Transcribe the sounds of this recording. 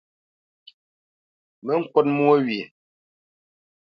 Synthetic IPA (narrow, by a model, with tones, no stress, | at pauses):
mə˦ŋ̩˦˨kwɔ˦t̚mwe˦ɥje˨